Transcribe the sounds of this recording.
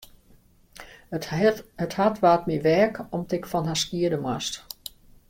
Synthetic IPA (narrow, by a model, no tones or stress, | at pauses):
əthatʋaːtmiʋɛːkɔmtɪkfɔnɦaskiədəmwast